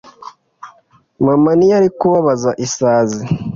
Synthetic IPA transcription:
mamanijaɾikuβaβazaʔisaːzi

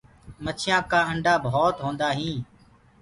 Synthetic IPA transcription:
mət͡ʃʰɪjãːkaːəɳɖaːbʱoːt̪ɦõːnd̪aːɦĩː

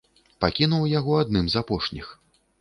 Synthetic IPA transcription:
pakʲinuwjaɣɔad̪̚nɨmzapɔʂnʲix

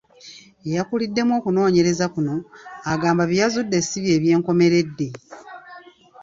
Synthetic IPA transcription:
ejakulidːe̞mo̞ːkuno̞ːɲe̞ɾe̞zakuno̞aɡaːmbaβijazudːe̞siβje̞ːβje̞ːŋko̞me̞ɾe̞dːe̞

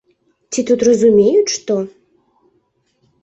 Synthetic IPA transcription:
t͡sʲit̪ut̪rɐzumʲejut͡sʲʂt̪ɔ

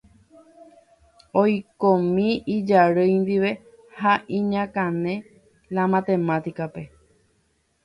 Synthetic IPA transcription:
ojkõmĩid͡ʒaɾɨjnd̪iʋe̞ | haĩɲãkãnẽ | lamãt̪emat̪ikape

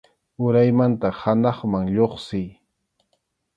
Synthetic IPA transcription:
ʊɾajmant̪ahanɑχmaŋʎoχsɪj

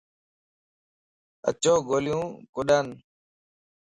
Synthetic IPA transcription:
ə̰t͡ʃoːɡoːlɪjũːkoɗaːn

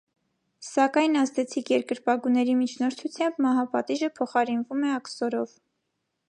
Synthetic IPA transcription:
sɑkɑjnɑzt̪ɛt͡sʰikʰjɛɾkəɾpɑɡunɛɾimit͡ʃʰnɔɾt̪ʰut͡sʰjɑmbmɑɦɑpɑt̪iʒəpʰɔχɑɾinvumɛɑksɔɾɔv

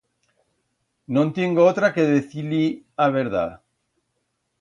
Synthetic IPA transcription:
nõnt̪eŋɡoot̪ɾake̞ðeθiliaβeɾða̰ð

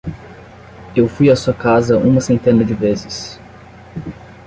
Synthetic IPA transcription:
ewfujasuɐkazɐʔũmɐsẽnt̪ẽnɐd͡ʒɪvezɪs

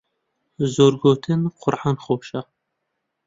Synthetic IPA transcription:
zoɾɡot̪ʰɨnqʰʊɾʕanχoʃa

